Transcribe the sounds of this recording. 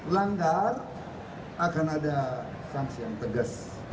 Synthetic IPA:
laŋɡar | akanada | saŋsijaŋt̪əɡəs

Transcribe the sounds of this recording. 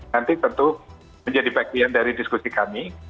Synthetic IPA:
nant̪it̪ənt̪u | məɲd͡ʒadibakiandaɾidiskusikami

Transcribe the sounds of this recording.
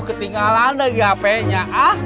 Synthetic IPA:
kət̪iŋalandaɡiapɛɲaʔa

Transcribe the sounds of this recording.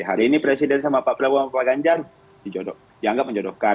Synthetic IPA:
iɦaɾiːnipɾɛsidɛnsamapaʔpəlabuaplaɡaɲd͡ʒar | d̥id͡ʒodɔ | diaŋɡap̚mə̃ɲd͡ʒodɔhkan

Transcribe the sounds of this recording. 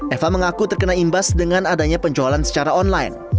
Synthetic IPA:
ʔɛfaməŋakut̪ərkənaimbasdəŋanadaɲapəɲd͡ʒoalansə̥t͡ʃaɾaɔnlajn

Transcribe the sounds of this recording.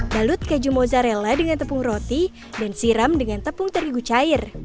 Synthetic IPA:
dalʊt̪̚kad͡ʒumozaɾeladəŋant̪əpʊuŋrot̪i | dansiɾamdəŋant̪əpʊŋt̪əɾiɡut͡ʃaɪr

